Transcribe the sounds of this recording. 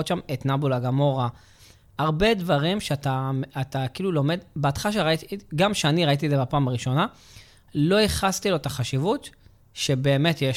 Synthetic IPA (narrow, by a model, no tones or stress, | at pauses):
otʃamet̪nabulaɡamo̞ʁa | aʁbe̞dvaʁimʃeataat̪akiːlulo̞me̞d̪beat̪χaaʃ̬eʁaitiɡamʃeaniʁait̪̬iezebapaːmaʁiʃo̞na | lo̞iχast̪ilo̞etaχaʃivut̪ | ʃe̞be̞ːme̞t̪je